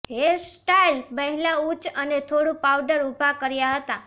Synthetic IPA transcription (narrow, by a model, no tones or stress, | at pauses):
ɦesʈailməɦɛlaut͡ʃənet̪ʰoɽũpawɖəɾubʱakəɾjaɦət̪a